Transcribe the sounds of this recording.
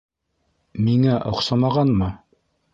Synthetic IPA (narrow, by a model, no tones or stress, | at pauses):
miŋæʔŏqsɑmɑʁɑnmɤ